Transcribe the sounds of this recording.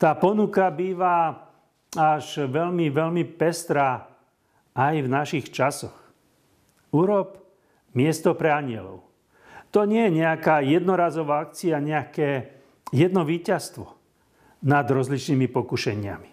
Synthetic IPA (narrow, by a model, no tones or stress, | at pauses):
t̪aːpɔnukabiːʋa | aʃʋɛʎmiʋɛʎmipɛst̪ɾaː | ajvnaʃixt͡ʃasɔx | uɾɔp | mɪɛst̪ɔpɾɛaɲɪɛ̰lɔ̰ʊ | t̪ɔɲɪɛjɛɲɛakaːjɛd̪nɔɾaːzɔʋaːak̚t͡siaɲɛakɛː | jɛd̪nɔʋiːcast̪ʋɔ | nad̪ɾɔzlit͡ʃniːmipɔkuʃɛɲɪa̰mi̥